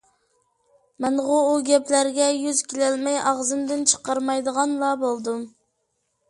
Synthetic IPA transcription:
mɛnʁʊuɡʲɛplæɾɡʲɛjyzkʲilɛlmɛjʔɑʁzɨmd̪ɪnt͡ʃʰə̥qɑɾmɑjd̪əʁɑnlˠɑbolˠd̪um

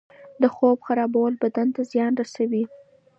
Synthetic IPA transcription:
d̪əxobxaɾɑbawəlbad̪ant̪azjɑnɾasawi

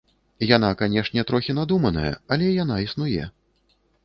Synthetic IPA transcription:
jan̪akanʲɛʂnʲɛt̪ɾɔxʲin̪ad̪umɐnɐ̰jɐ̰ɐlʲɛjanaisnujɛ̰

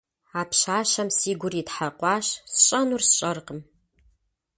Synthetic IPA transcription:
aːpɕaːʃɐmsiːɡʷʊritħaqʷɑːɕsɨɕʼɐnursɕʼɐrqəm

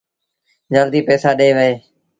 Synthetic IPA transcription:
d͡ʒəld̪iːpɛːsaːɗeːʋəeː

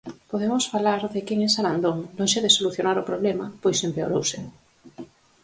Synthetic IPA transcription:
poðemʊsfalaɾðɪkɛŋɛsaɾand̪oŋloŋʃeðesoluθjonaɾʊpɾoβlɛmapojsempeo̰ɾowsɪ

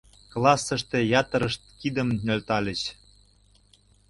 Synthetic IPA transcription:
klˠɑsːə̆ʃt̪ĕjɑt̪ə̆ɾəʃt̪̚kid̪əmnølʲt̪ɑlʲə̆t͡ɕ

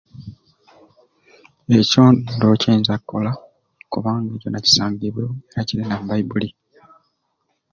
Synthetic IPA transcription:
e̞co̞ːndoceːnzakːola | kuβaːŋɡeːɟo̞naci̥saːɲɡiβweeɾacilinabaibuli

